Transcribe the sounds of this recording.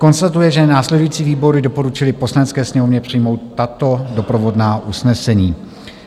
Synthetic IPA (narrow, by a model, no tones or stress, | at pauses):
ko̞nst̪at̪ujɛʒɛnaːslɛdujiːt͡siːviːbo̞ɾɪdopo̞ɾut͡ʃɪlɪpo̞slanɛt͡skɛːsɲɛmovɲɛpr̥ɪjmo̞wt̪ːat̪o̞dopɾovo̞dnaːʔusnɛsɛɲiː